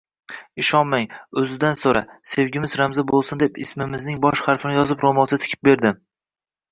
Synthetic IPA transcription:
ɪʃɒnmaŋɵzɪd̪ansoɾa̰se̞wɡʲɪmɪzɾamzabolˠsɪnd̪epɪ̰smɪmɪznɪŋbɒʃχaɾfɪnɪjɒzɪpɾomɒst̪ʰɪ̥kʲʰɪp̚be̞ɾd̪ɪ

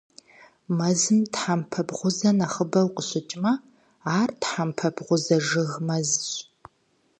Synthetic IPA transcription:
mɐzɨmtħampʰɐbʁʷʊzɐnaχəbɐlqʼəɕɪt͡ʃʼmɐ | aːrtħampʰɐbʁʷʊzɐʒɨɣmɐzɕ

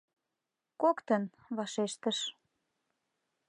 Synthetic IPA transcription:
kokt̪ən | βɑʃeʃt̪əʃ

